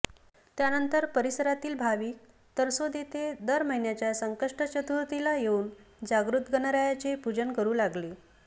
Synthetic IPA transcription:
t̪janənt̪əɾpəɾisəɾat̪iːlbʱaʋiːk̚ | t̪əɾsod̪et̪ed̪əɾməɦinjat͡ɕjasəŋkəʂʈət͡ɕət̪uɾt̪ilajeuːn | d͡zaɡɾut̪ɡənɾajat͡sepud͡ʑənkəɾuːlaɡle

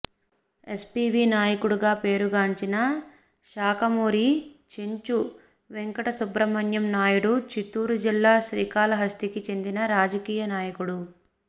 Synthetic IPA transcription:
espiːʋiːnaːjɐkuɽuɡaːpe̞ːɾuɡaːɲt͡ʃinɐ | ʃaːkɐmuːɾit͡ʃeɲt͡ʃu | ʋeŋkɐʈɐsubɾɐmɐnjɐmnaːjuɽut͡ʃit̪ːuːɾud͡ʒilːaːʃɾiːkaːlɐɦɐst̪ikit͡ʃe̞nd̪inɐɾaːd͡ʒɐkiːjɐnaːjɐkuɽu

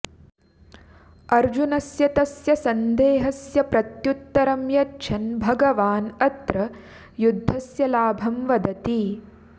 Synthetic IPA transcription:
ɐɾd͡ʒunɐsjɐt̪ɐsjɐsɐnd̪eːɦɐsjɐpɾɐt̪jut̪ːɐɾɐmjɐtʃʰɐnbʱɐɡɐʋaːnɐt̪ɾɐ | jud̪ʱːɐsjɐlaːbʱɐmʋɐd̪ɐt̪i

